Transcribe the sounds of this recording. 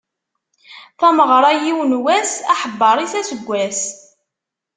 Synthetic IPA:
θæməʁɾˤɑjiwnwæsæħəbːɑɾˤiθæsəɡʷːæs

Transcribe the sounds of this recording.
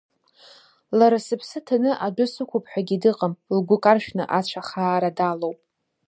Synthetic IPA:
laɾasɨpʰsɨtʰanɨʔad͡ʒʷʊsɨkʷʰʊpʰʼħʷᶣaɡʲidɨqʼəmlɡʷʊkʼarʃᶣnɨʔat͡ɕʷʰaχaːɾadalowpʼ

